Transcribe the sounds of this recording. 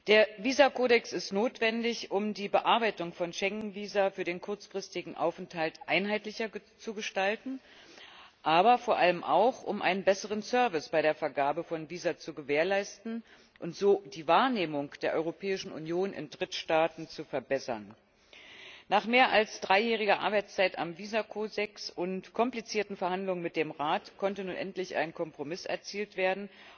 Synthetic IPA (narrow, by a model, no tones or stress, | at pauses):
d̥eːɐviːzakʰoːɾɛksɪstnoːtv̥ɛndɪçʊmdiːbəʔaɐbaɪtʊŋfɔnʃɛŋnviːzafyːɐɾeːnkʰʊɐt͡sfʁ̥ɪstɪɡŋ̩ʔa̰ʊfɛnthaltʔaɪnɦaɪtlɪçɐ | t͡suɡəʃtaltn̩ | ʔaːbɐfoːɐʔaləmʔa̰ʊxʔʊ̰mʔa̰ɪnənbɛsəʁ̞ənsœɐvɪsb̥aɪɾeːɐfɛɐɡaːbəfɔnviːzat͡suɡəveːɐlaɪstn̩ | ʔʊntz̥oːd̥iːvaːɐneːmʊŋd̥eːɐʔɔ̰ʏʁopʰɛːɪʃn̩ʔṵnjoːnɪ̰ndʁɪtʃtaːtn̩t͡sufɛɐbɛsɐ̰n | naːχmeːɐʔalsd̥ʁaɪjɛːʁ̞ɪɡɐʔa̰ɐbaɪt͡st͡saɪta̰mviːzakʰoːdɛksʊntkʰɔmplit͡siːɐtn̩fɛɐhandlʊŋənmɪt̚d̥eːmʁaːtkʰɔntənuːnʔɛntlɪçʔa̰ɪnkʰɔmpʁ̥omɪsɛ̰ɐt͡siːltv̥eːɐdn̩